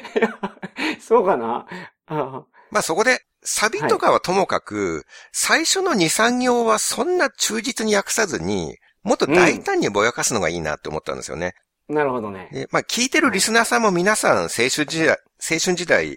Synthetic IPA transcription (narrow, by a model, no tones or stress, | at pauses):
a | soːkana | maːso̞ko̞d̪e̞ | sabʲit̪o̞kaβ̞at̪o̞mo̞kakɯ̟saiɕo̞no̞ɲ̟isãŋɡʲjo̞ːβasõ̞nːat͡ɕɨːd͡ʑit͡sɨɲ̟ijakɯ̟̥sazɨɲ̟ḭ | mo̞t̪ːod̪ait̪ãɲ̟ːibo̞jakasɨno̞ɡa̰iːna̰t̪ːe̞omo̞t̪ːã̰nd̪esɨjone̞ | naɾɯhod̪oned̪e̞maːkʲʰiːt̪e̞ɾɯ̟ɾʲisɨnaːsãmːo̞mʲinasãɰ̃se̞ːɕɨ̃d͡ʑia | se̞ːɕɨ̃ɲ̟d͡ʑid̪aḭ